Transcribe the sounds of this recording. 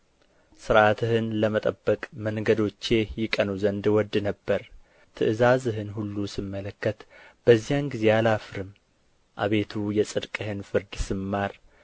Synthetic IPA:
sɨɾʔat̪ʰɨhɨnləmət̪ʼəbːəkʼməŋɡəd̪o̞t͡ʃːe̞jɪkʼənuzənd̪wɔd̪ːɨnəbːəɾ | t̪ʰɨʔɨzazɨɦɨnɦulːusɨmːələkːət̪b̥əzːijanɡize̞alafɾɨm | ʔa̰βe̞t̪ʰujɛsʼɨd̪kʼɨhɨnfɨɾd̪sɨmːaɾ

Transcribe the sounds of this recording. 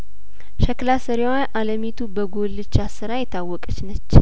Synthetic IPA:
ʃəklasəɾiwaʔaləmit̪ʰubəɡolɨt͡ʃːasɨɾajɛt̪ʰawːɔkʼət͡ʃnət͡ʃː

